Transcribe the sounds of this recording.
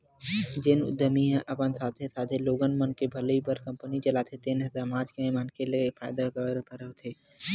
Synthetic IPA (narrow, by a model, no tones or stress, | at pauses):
d͡ʒɪnʊ̰d̪əmiɦə̃ʔɐpənsaːt̪ʰesaːt̪ʰeloːɡənmənkebʱɐlipəɾkɐ̃mpənit͡ʃɐlaːt̪ʰet̪enɦəzamãːd͡ʒkẽmankelefʰaːjd̪akəɾpəɾət̪ʰeː